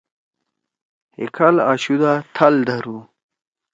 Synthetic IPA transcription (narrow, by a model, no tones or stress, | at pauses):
hḛkʰɐlaɕud̪at̪ʰɐld̪ɐɾu